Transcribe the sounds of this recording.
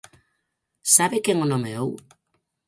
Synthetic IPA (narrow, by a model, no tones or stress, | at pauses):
saβekeŋonomeow